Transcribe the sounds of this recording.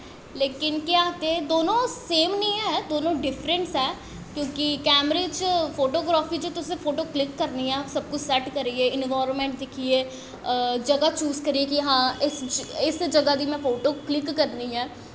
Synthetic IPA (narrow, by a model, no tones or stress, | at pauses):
leːkɪnkjaːt̪ed̪oːnõseːmnĩɦɛɦɛd̪oːnõɖɪfɾə̃nsɦɛː | kjõːkikɛːmɾeːt͡ʃfoːʈoːɡɾaːfid͡ʒot̪ʊsefoːʈoːklɪkːɐɾniɦɛ̃ɐsɐb̚kʊt͡ʃsɛʈkɐɾieɪnʋaːɾnmẽɳʈ̚d̪ɪkʰieː | d͡ʒɐɡat͡ʃuːzkɐɾiekiɦãːɪsɪsd͡ʒɐɡad̪imɛ̃foːʈoːklɪkːɐɾniɦɛː